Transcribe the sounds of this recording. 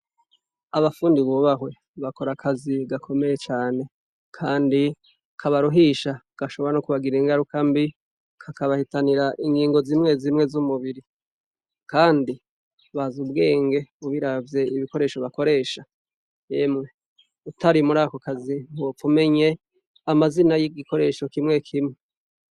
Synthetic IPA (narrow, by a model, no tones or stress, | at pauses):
aβafuːndiβuβaɦwe̞ | βako̞ɾakʰaziɡakʰo̞me̞jet͡ʃaːne̞ | kʰaːndi | kʰaβaɾuɦiːʃa | ɡ̥aʃo̞βoɾanokuβaɡiɾiŋɡaɾukambi | kʰakaβahitaniɾaʔiŋɡiːŋɡo̞ziːmŋe̞zimŋe̞zumuβiɾi | kaːndi | βazub̚ɡe̞ːŋɡe̞uβiɾavje̞iβiko̞ɾe̞ːʃo̞βako̞ɾe̞ːʃa | jeːmŋe̞ | utaɾimuɾaːkokazimop͡fume̞ɲe̞ | amazinajiɡiko̞ɾe̞ːʃo̞kimŋe̞kʰimŋe